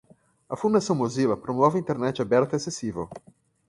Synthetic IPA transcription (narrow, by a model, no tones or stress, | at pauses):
ɐfũnd̪asɐ̃w̃mozilɐpɾõmɔvɪĩnt̪eɾnɛt͡ʃɪabɛɾt̪ɐesesivḛw